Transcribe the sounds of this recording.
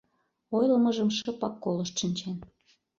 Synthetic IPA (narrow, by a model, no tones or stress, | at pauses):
ojləmɤʒəmʃɤ̆pɑkːoləʃt̪ʃənʲt͡ɕen